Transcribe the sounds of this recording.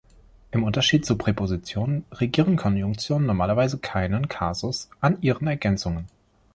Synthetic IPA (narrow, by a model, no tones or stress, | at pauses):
ʔɪmʔʊntɐʃiːt̚t͡supʁ̥epʰozit͡sjoːnənʁeɡiːʁənkʰɔnjʊŋk̚t͡sjoːnənːɔɐmaːlɐvaɪzəkʰaɪnənkʰaːzʊsʔanʔiːʁənɛɐɡɛnt͡sʊŋən